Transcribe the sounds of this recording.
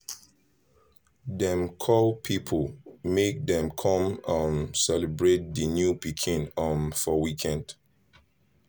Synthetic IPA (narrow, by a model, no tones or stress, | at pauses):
dɛ̃mkʰɔlpʰipʰəlmek̚dɛ̃mkʰɔ̃mãnsɛlibɹet̚ðənjupikʰĩnɔnfɔwikʰɛ̃nd̥